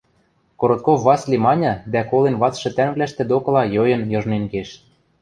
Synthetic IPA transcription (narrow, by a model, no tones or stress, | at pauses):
koɾot̪̚kofːɑslʲimɑnʲɑ̆d̪ækolenβɑt͡sʃɤ̆t̪æŋβlæʃt̪ĕd̪okɤ̆lɑjojɤ̆njɤ̆ʒnenkeʃ